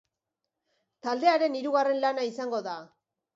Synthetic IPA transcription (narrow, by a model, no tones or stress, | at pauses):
t̪ald̪e̞aɾe̞niɾuɣare̞nlanaisaŋɡo̞ða